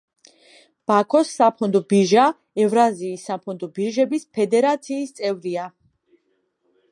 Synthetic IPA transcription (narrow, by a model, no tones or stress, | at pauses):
b̥akʰɔsːapʰɔnd̪ɔbiɾʒa | ɛvɾaziːsːapʰɔnd̪ɔbiɾʒɛbispʰɛd̪ɛɾat̪sʰiːst̪sʼɛvɾia